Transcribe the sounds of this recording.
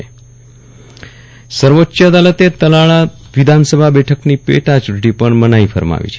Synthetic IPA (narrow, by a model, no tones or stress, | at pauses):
səɾʋotːʃəd̪alət̪et̪əlaɭa | ʋid̪ʱansəbʱabɛʈʰəknipḛʈat͡ʃuʈipəɳmənaifʰəɾma̰ʋḭt͡ʃʰe